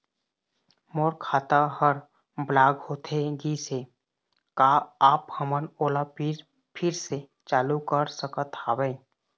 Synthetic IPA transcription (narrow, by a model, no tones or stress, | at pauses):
moːɾkʰaːt̪ahəɾ | blaːɡhoːt̪ʰeɡise | kaaːphəmənoːlapiɾ | pʰɪɾse | t͡ʃaːlukəɾsəkət̪aːwɛ̃